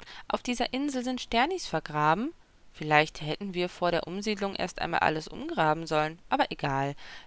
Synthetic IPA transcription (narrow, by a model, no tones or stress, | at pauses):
ʔa̰ʊfd̥iːzɐʔɪnzl̩zɪntʃtɛɐnɪçsfɛɐɡʁaːbm̩ | fɪlaɪçthɛtn̩viːɐfoːɐɾeːɐʔʊmziːdlʊŋʔḛɐstʔa̰ɪnma̰ːlʔa̰ləsʔʊ̰mɡʁaːbm̩zɔlənʔʔaːbɐʔeɡaːl